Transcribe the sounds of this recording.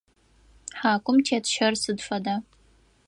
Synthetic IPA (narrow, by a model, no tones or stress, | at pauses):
ħaːkʷʼʊmtʰiatʰʃɐrsɨdfada